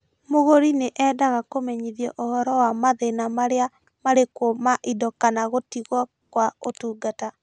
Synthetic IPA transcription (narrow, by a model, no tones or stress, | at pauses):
moɣoɾineʔɛdaɣakomeɲiðjɔʔohɔɾɔwamaðenamaɾea | maɾekomaʔidɔkanaɣotiɣwɔ | kwaotuːɡata